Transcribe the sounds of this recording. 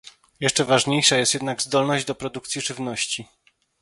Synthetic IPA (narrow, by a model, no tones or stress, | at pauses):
jɛʂt͡ʂɛvaʐɲejʂajɛst̪jɛd̪naɡzd̪ɔlnɔʑd͡ʑd̪ɔpɾɔd̪ukt̪sʲjiʐɘvnɔɕt͡ɕi